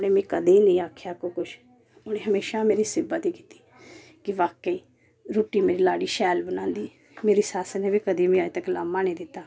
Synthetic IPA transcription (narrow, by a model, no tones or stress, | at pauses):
ʊnẽːmẽːkəd̪eːnĩːaːkʰjaːkoːkʊt͡ʃʰ | ʊneːɦəmeːʃaːmeːɾiːsɪbət̪iːki̥ːt̪i̥ː | kɪʋaːkəiː | ɾoːʈiːmeːɾiːlaːɽiːʃɛːlbənãːnd̪iː | meːɾiːsaːsəneːbiːkəd̪eːmĩaːit̪əklaːmːãːnĩːd̪ɪt̪ːaː